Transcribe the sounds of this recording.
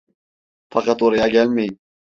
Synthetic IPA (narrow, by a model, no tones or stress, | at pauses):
fɑqɑt̪oɾɑjɑɡʲælmej